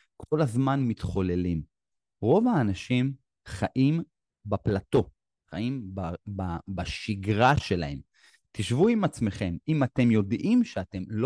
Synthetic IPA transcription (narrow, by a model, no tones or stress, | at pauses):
kʰo̞lazmanmitχo̞le̞lim | ʁo̞vaːnaʃim | χaʔim | baplato̞ | χaimbababaʃiɡʁaʃe̞lahe̞m | tiʃvuimat͡sme̞χe̞mimate̞mjo̞dʔimʃeate̞mlo